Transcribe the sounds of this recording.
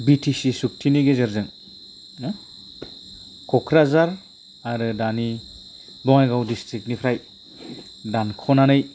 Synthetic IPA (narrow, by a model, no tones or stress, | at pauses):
bitʰisisuk̚tʰiniɡezɯɾzɯŋ | kʰɔkʰɾazaɾ | aɾɯdani | bɔŋajɡawdistɾik̚nipʰɾaj | dankʰɔnanɯj